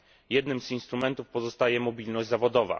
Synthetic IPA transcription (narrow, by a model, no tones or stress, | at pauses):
jɛd̪nɘmzinst̪ɾumɛnt̪ufpɔzɔst̪ajɛmɔbʲilnɔʑd͡ʑʲzavɔd̪ɔva̰